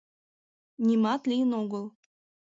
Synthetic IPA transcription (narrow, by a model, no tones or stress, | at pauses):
nʲimɑt̪lʲijənoɡə̆lˠ